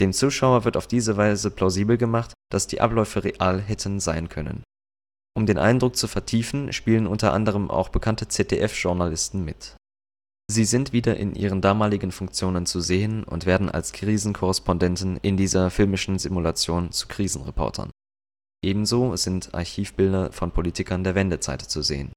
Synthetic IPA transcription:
d̥eːmt͡suːʃaʊɐvɪɐtaʊfd̥iːzəvaɪzəpʰlaʊziːbl̩ɡəmaχtd̥asd̥iːʔa̰plɔʏfəʁeʔaːlɦɛtʰən̩zaɪnkʰœnə̰n | ʔʊmdeːnʔa̰ɪndʁʊk̚t͡sufɛɐtʰiːfn̩ʃpiːlənʔʊntɐʔa̰ndəʁ̞əmʔa̰ʊxb̥əkʰantət͡sɛtʰeʔɛfʒ̥ʊɐnalɪstn̩mɪt | ziːzɪntv̥iːdɐʔɪ̰nʔḭːʁ̞əndaːmaːlɪɡn̩fʊŋk̚t͡sjoːnənt͡suzeːənʊ̰ntv̥eːɐdn̩ʔa̰lskʁ̥iːzn̩kʰɔʁɛspɔndɛntn̩ʔɪndiːzɐfɪlmɪʃn̩zimulat͡sjoːnt͡su̥kʁ̥iːzn̩ʁepʰɔ̰ɐtʰɐ̰n | ʔeːbm̩zoːzɪntʰʔa̰ɐçiːfb̥ɪldɐfɔnpʰoliːtɪkʰɐndeːɐvɛndət͡sa̰ɪtt͡suzḛːən

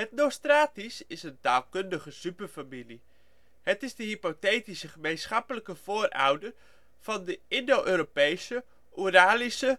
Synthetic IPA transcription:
ɦətnostraːtisɪsəntaːlˠkøndəχəsypərfamili | hətɪzdəɦipotejtisəχəmejnsχɑpələkəv̥oːra̰wdər | fɔndəɪndoʔøːɾopejsə | ʔuraːlisə

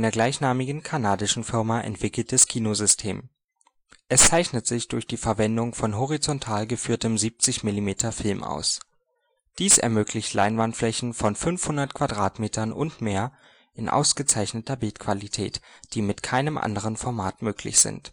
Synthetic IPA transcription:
aɪnɐɡlaɪçnaːmɪɡŋ̩kʰanaːdɪʃn̩fɪɐmaʔɛ̰ntv̥ɪkl̩t̚d̥askʰiːnozʏstʰeːm | ʔɛst͡saɪçnətz̥ɪçd̥ʊɐçd̥iːfɛɐvɛndʊŋfɔnɦɔʁit͡sɔntʰaːlɡəfyːɐtəmziːp̚t͡sɪçmɪlimeːtʰɐfɪlmʔa̰ʊs | d̥iːsɛ̰ɐmøːklɪçtlʔa̰ɪnvantflɛçn̩fɔnfʏnfhʊndɐtkʰv̥adʁaːtmeːtʰɐnʔʊ̰ntmeːɐ | ʔɪnʔa̰ʊsɡ̥ət͡saɪçnətɐbɪltkv̥alitʰɛ̰ːtd̥iːmɪtkʰaɪnəmʔa̰ndəʁ̞ənfɔɐmaːtmøːkʰlɪ̰çz̥ɪ̰nt

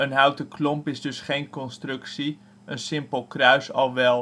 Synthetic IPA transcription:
ənɦœwtəklɔmpɪzdɵsχejnkɔnstrɵksi | ənsɪmpəlˠkrœɥsɑlˠʋɛlˠ

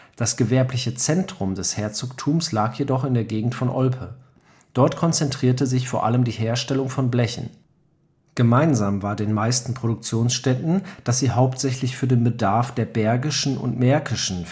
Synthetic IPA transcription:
d̥asɡ̥əvɛɐplɪçət͡sɛntʁ̥ʊmdɛshɛɐt͡soːktʰuːmslaːkjedɔχɪndeːɐɡeːɡŋ̩tfɔnʔɔlpʰə | d̥ɔɐtkʰɔnt͡sɛntʁ̥iːɐtəzɪçfoːɐʔa̰ləmdiːɦeːɐʃtɛlʊŋfɔnblɛçn̩ | ɡ̥əmaɪnzaːmvaːɐdeːnmaɪstn̩pʁ̥oɾʊk̚t͡sjoːnsʃtɛtn̩d̥asz̥iːɦaʊptz̥ɛçlɪçfyːɐdeːnbədaɐfd̥eːɐbɛɐɡɪʃn̩ʊ̰ntmɛɐkɪʃn̩

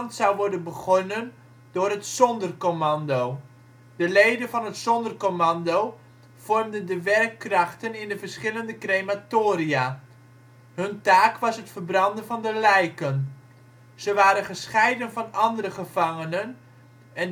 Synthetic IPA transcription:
ntsɑwʋɔɹdənbəχɔnən | dʊːrɦətsɔndərkomɑndow | d̥əlejdənvɑnɦətsɔndərkomɑndow | v̥ɔɹmdəndəʋɛrkːrɑχtənɪndəvəɹsχɪləndəkrejmatoːrijaː | ɦɵntaːkʋɑsɦətfəɹbrɑndənvɑndəlɛjkən | z̥əʋaːɾənχəsχɛjdənvɑnɑndəɾəχəv̥ɑŋənən | ɛn

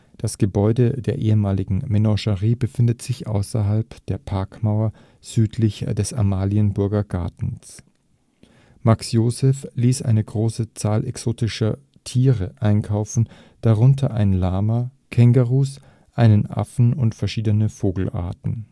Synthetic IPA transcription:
d̥asɡ̥əbɔʏdədeːɐʔeːəmaːlɪɡŋ̩melɔ̃ʃəʁiːbəfɪndətz̥ɪçʔa̰ʊsɐɦalpd̥eːɐpʰaɐkmaʊɐ | z̥yːtʰlɪçd̥ɛsa̰maːliənbʊɐɡɐɡ̥a̰ɐtn̩s | maksjoːzɛfliːsʔa̰ɪnəɡʁoːsət͡saːlʔɛksoːtɪʃɐ | tʰiːʁəʔaɪnkʰaʊfn̩ | d̥aʁʊntʰɐʔaɪnlaːmɐ | kʰɛŋɡaʁuːs | ʔaɪnənʔa̰fn̩ʊntfɛɐʃiːdənəfoːɡl̩ʔa̰ɐtn̩

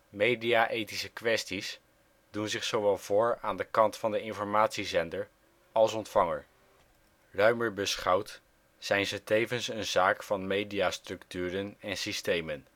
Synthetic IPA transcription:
mejdiaʔejtisəkʋɛstis | dunzɪχsowʋɛlˠv̥ʊːɹaːndəkɑntfɑndəɪnfɔɹmaːtsizɛndəɹ | ɑlˠsɔntfɑŋəɹ | rœɥməɹbəsχɑwt | z̥ɛjnzətejvənsənzaːkfɑnmejdiastrɵktyːɾənɛnsistejmən

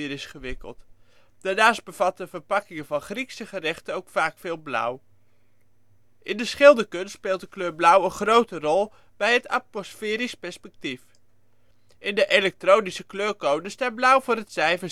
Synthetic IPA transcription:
ɾɪsχəʋɪkə̰lˠt | d̥aːɹnaːsd̚bəv̥ɑtəv̥əɹpɑkɪŋəvɑnχriksəχərɛχtəowkfaːkfɪːlˠblʌ̰w | ʔɪndəsχɪlˠdəkɵnspɪːlˠt̚dəkløːɹblʌwənχrowtərɔlˠ | bɛjɦəta̰pmosfɪːɾispɛɹspɛk̚tif | ʔɪndəʔelɛk̚trownisəkløːɹkowdənstaːblʌwvʊːɾətsɛjvə

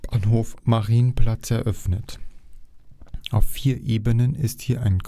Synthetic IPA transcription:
anɦoːfmaʁiːnənpl̥at͡sɛɐʔœfnət | ʔaʊfːiːɐʔeːbənənɪsthiːɐʔa̰ɪnk

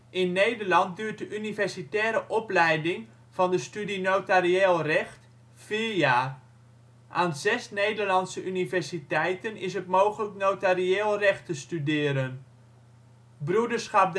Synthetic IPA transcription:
ʔɪnːejdəɹlɑnt̚dyːt̚dəʔynivɛɹsitɛːɾəʔɔplɛjdɪŋ | v̥ɑndəstydinowtarieːlˠrɛχt | fiːɹjaːr | ʔaːnzɛsnejdəɹlɑnsəʔynivɛɹsitɛjtənɪs̬ɦətmowχələknotarieːlˠrɛχtəstydɪːɾən | brudəɹsχɑp̚d

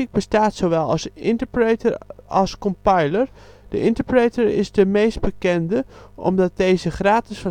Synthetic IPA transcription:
ik̚bəstaːtsoʋɛlˠɑ̰sʔɪntəɹpretəɹɑlˠskɔmpajləɹ | d̥ə̰ʔɪntəɹprejtəɹɪ̰zdəmejsd̚bəkɛndəʔɔ̰mdɑt̚dejzəχraːtɪsf

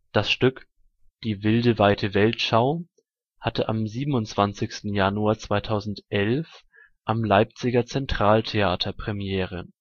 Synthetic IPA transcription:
d̥asʃtʏk | d̥iːvɪldəvaɪtʰəvɛltʃaʊ | hatəʔamziːbm̩ʊnt͡sv̥ant͡sɪçstn̩januaɐt͡sv̥aɪtʰaʊzn̩tʔɛlf | ʔamlaɪp̚t͡sɪɡɐt͡sɛntʁ̥aːltʰeaːtʰɐpʁ̥ɛmjɛːʁ̞ə

